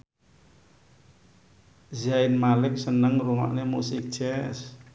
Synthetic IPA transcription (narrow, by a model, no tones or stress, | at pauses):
zaɪnmalɪk̚sənəŋruma̰ʔnemusɪk̚d̥ʒ̥ɛs